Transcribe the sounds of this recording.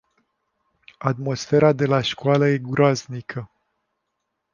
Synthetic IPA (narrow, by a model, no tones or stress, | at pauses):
at̪mo̞sfe̞ɾad̪e̞laʃkwaləje̞ɡuɾaznikʰə